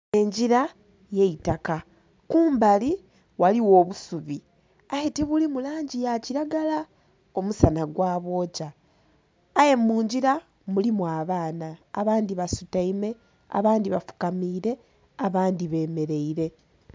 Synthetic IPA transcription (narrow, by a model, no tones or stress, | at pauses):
e̞ɲɟiɾa | je̞itaka | kuːmbali | waliwo̞ːβusuβi | ajetiβulimulaːɲɟijaciɾaɡala | o̞musanaɡwaːβo̞ːcaː | je̞muːɲɟiɾa | mulimwaβaːna̰ːβaːndiβasutaime | a̰βaːndiβafu̥kamiːɾe̞ | aβaːndiβe̞ːme̞ɾe̞iɾe̞